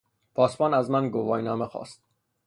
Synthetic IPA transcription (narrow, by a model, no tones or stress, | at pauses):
pʰɒːspɒːnæzmænɡovɒːjnɒːmexɒ̰ːst̪̚